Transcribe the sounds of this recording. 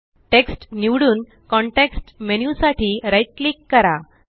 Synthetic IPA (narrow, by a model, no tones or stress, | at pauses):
ʈeksʈniʋɽuːn | kɔɳʈeksʈmenjusaʈʰiːɾajʈ̚klikːəɾa